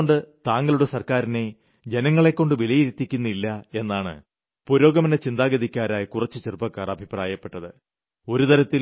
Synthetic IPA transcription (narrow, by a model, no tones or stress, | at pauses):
oɳɖɨt̪aːŋɡɐɭuɽesɐrkaːɾine̞ | d͡ʑe̞nɐŋːɐɭe̞kːo̞ɳɖɨʋilɐjiɾit̪ːikʲːunːilːɐe̞nːaːɳɨ̰ | puɾo̞ːɡɐmɐnɐt͡ɕind̪aːɡɐðikʲːaːɾaːjikurɐt͡ɕːɨt͡ɕirupːɐkːaːrɐbʱipraːjɐpːe̞ʈːɐðɨ | o̞ɾut̪ɐɾɐt̪ːil